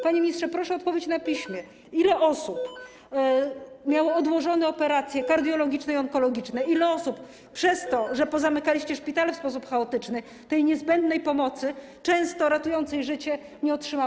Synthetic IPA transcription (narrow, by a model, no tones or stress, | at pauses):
paɲemʲiɲistʂɛpɾɔʂɛɔt̪pɔvʲjet͡ɕnapʲiɕmʲjɛ | ilɛʔɔsup | mʲjawɔɔd̪wɔʐɔnɛɔpɛɾat̪sʲjɛkaɾd̪jɔlɔɡʲit͡ʂnɛiɔŋkɔlɔɡʲit͡ʂnɛilɛɔsup | pʂɛst̪ɔʐɛpɔzamɘkalʲiɕt͡ɕɛʂpʲit̪alɛfspɔs̬upxaɔt̪ɘt͡ʂnɘ | t̪ɛjɲɛzbɛnd̪nɛjpɔmɔt̪sɘ | t͡ʂɛ̃w̃st̪ɔɾat̪ujɔnt̪sɛjʐɘt͡ɕɛ | ɲɛɔtʂɘma